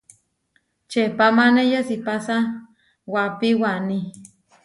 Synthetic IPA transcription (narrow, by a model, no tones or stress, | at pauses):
t͡ʃepamanejasipasa | wapiwani